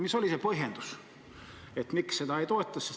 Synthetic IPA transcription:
miso̞lʲisepoɦend̪̥u̥s | et̪miksːed̪ɑejt̪o̞et̪ˑːɑsːe

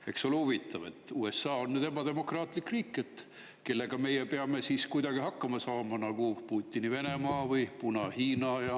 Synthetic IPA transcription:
e̞kso̞lhuvit̪ːˑɑve̞̰t̪ˑːuːe̞sːɑːonːed̪e̞mɑd̪e̞mo̞krɑːt̪ˑlikriːkːˑe̞t̪ː | ke̞lːe̞ɡ̥ɑme̞jepeɑme̞siːskujd̪ɑɡ̥ihɑkːɑmɑsɑːmɑnɑɡ̥upuːt̪ʲːinive̞ne̞mɑːvɯjpunɑhiːnɑjɑ

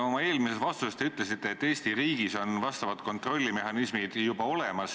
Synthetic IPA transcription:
o̞mɑe̞ːlmiset̪vɑst̪ust̪eyt̪ˑlesit̪ːˑeːt̪ːe̞ːst̪iɾiːɡ̥iso̞nvɑst̪ɑvɑt̪ko̞nt̪ro̞lʲːime̞ɦɑnismid̪̥jubɑo̞le̞mɑs

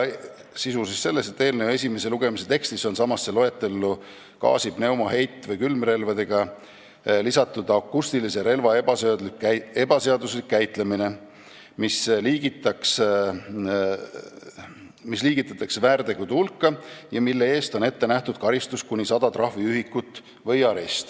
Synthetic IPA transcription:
sisusisse̞lːe̞st̪e̞t̪ːe̞ːlneoe̞sʲimese̞luɡ̥e̞mise̞t̪e̞kst̪iso̞nsɑmɑsːe̞lo̞e̞t̪ːˑe̞lːu | kɑ̰ːsib̥ne̞wmoɦe̞jt̪ːˑvɤjkylmre̞lvɑd̪e̞ɡ̥ɑ | lisɑt̪ːˑud̪ɑkːˑust̪ilise̞ɾe̞lvɑebɑsed̪like̞b̥ɑse̞ɑd̪uslikːæjt̪ˑle̞mine̞ | misliːɡ̥it̪ːˑɑks | misliːɡ̥it̪ːˑɑt̪ːˑɑksvæːrd̪̥e̞ɡud̪ulkːɑjɑmilːe̞e̞ːst̪o̞ne̞t̪ːe̞næht̪ud̪̥̚kɑɾist̪uskunʲisɑd̪̥ɑt̪rɑhviyɦikːˑut̪ːˑ | vɤjɑɾest̪

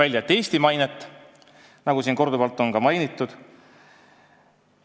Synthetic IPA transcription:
ælʲjɑt̪ːˑe̞ːst̪imɑjnet̪ˑː | nɑɡusiːnko̞rd̪ubɑlt̪ːˑo̞nkɑmɑjnit̪ːˑud̪̥

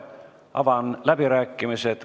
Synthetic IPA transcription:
ɑ̰vɑnlæb̥iɾæːkːˑimiset̪

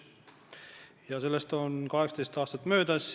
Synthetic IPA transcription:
jɑse̞lːe̞st̪o̞nkɑɦeksɑ̥t̪est̪ɑːst̪ɑt̪ːˑmø̞ːd̪̥æs

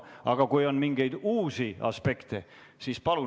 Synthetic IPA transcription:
ʔɑɡ̥ɑkujo̞nmiŋɡ̥e̞jd̪uːsiɑ̰spe̞kt̪e | siːspɑlu

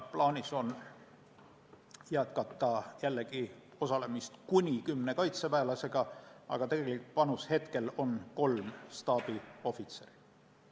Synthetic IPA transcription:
plɑːnʲiso̞n | jæt̪kɑt̪ːˑɑjælːeɡ̥i | o̞sɑle̞mist̪kunʲikymːne̞kɑjt̪sepæelɑse̞ɡ̥ɑɑ̰ɡ̥ɑt̪e̞ɡ̥e̞likt̪pɑnushe̞t̪ke̞lo̞nko̞lmst̪ɑːb̥io̞fit̪se̞ɾi

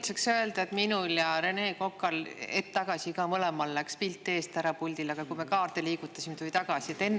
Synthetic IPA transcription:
t̪sɑksø̞eld̪̥ɑe̞t̪minuljɑɾene̞ːko̞kːˑɑlet̪ːɑɡ̥ɑsikɑːmɤlemɑlːækspilt̪ːˑe̞ːst̪æɾɑpulʲd̪ilɑɡ̥ɑkujmekɑːrt̪eliːɡut̪ːˑɑsimt̪ojt̪ɑɡ̥ɑsiet̪ːe̞nː

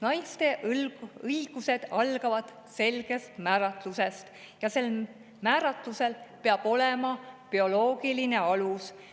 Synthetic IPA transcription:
nɑjst̪e̞ | ɤiɡ̥use̞d̪̥ɑlɡ̥ɑvɑd̪̥ | se̞lɡ̥e̞st̪mæːɾɑt̪luse̞st̪ | jɑse̞l | mæːɾɑt̪luse̞lpeɑb̥o̞le̞mɑpio̞lo̞ːɡ̥iline̞ɑlus

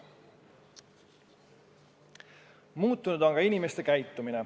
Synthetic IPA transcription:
muːt̪ːˑunud̪o̞ŋɡɑinʲimest̪e̞kæjt̪ːumine

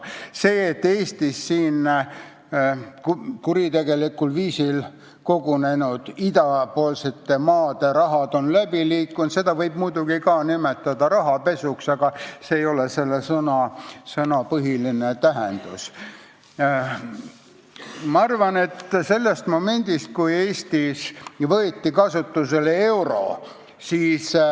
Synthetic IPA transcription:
se̞ːet̪ːeːst̪isːiːn | kuɾit̪e̞ɡ̥e̞likːulviːsil | ko̞ɡune̞nud̪̥id̪ɑpoːlse̞t̪ːe̞mɑːd̪̥e̞ɾɑɦɑd̪̥o̞nlæbiliːkːˑunt̪se̞d̪ɑvɤjb̥mujd̪uɡ̥ikɑːnime̞t̪ːˑɑd̪ɑɾɑɦɑpe̞suksɑɡ̥ɑseːjo̞lese̞lːesɤnɑsɤnɑpɤɦilinet̪æɦend̪̥us | mɑɑrvɑnet̪ːse̞lːest̪mo̞me̞nʲd̪̥ist̪̚kuje̞ːst̪isvɤːt̪ːikɑsut̪ːuse̞lee̞wɾo̞̰ | siːs

